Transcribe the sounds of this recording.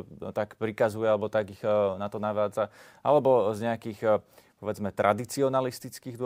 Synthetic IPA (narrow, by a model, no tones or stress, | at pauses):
t̪akpɾikazujɛalɛbɔt̪aɡiɣnat̪ɔnaʋaːd͡za | a̰lɛbɔzɲɛakiːxpɔʋɛd͡zmɛt̪ɾʔad̪it͡siɔnalist̪it͡skiːd̪ʊɔ